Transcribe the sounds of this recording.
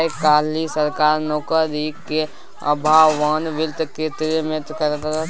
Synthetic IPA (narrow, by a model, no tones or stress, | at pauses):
ekaːlisəɾkaːɾnɔːkəd̪ike | ə̰bʱawʋaːnʋɪlt̪kʰeːt̪ɾemẽt̪kəɾkəɾ